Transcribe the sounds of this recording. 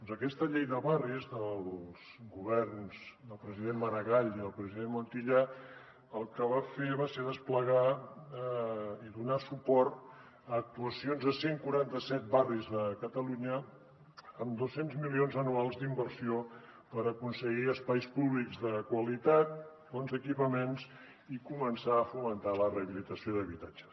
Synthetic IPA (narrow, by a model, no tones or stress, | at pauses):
d̪ɔnzəkɛst̪əʎejðəβarizðəlˠs | ɣuβ̞ɛrnzd̪əlˠpɾəziðenməɾəɣaʎiðəlˠpɾəziðenmunt̪iʎa | əlˠkəβ̞afeβaseðəspləɣa | iðunasupɔɾt̪ | əːk̚t̪uəsionzðəseŋkuɾant̪əsɛt̪̚barizðəkət̪əluɲəː | md̪osenzmilionzənualˠzd̪imbəɾsio | pəɾəkunsəɣiəspajspuβlikzðəkwəlit̪at̪̚fonzəkipəmenz | ikumənsaəfumənt̪aləreəβilit̪əsioðəβit̪ad͡ʒə̥s